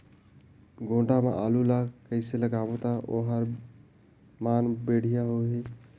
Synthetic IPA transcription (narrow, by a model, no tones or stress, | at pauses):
ɡʱõʈamḛʔalulakəɪseləɡaːbot̪aʔo̰ɦəɾ | manbeɽ̤ijaɦoɦe